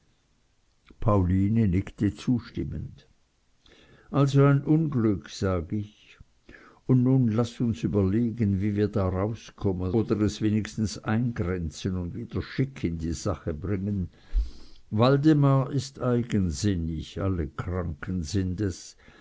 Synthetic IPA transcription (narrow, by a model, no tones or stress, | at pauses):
pʰaʊliːnənɪktət͡suːʃtɪmənd̥ | ʔalzoaɪnʔʊnɡlʏkʰz̥aːɡəɪç | ʊnnuːnlasʊnsyːbɐleːɡənviːviːɐdaːʁaʊskʰɔmənoːd̪əʁɛsveːnɪkstn̩saɪnɡʁɛnt͡sənʊndviːd̥ɐʃɪkʰɪndiːz̥aχəbʁɪŋən | valdemaɐɪstaɪɡənzɪnɪça̰ləkʁ̥aŋkʰənzɪndɛs